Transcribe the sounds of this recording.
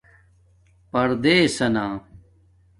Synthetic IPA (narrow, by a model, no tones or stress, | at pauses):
pɐɾd̪eːsɐnaː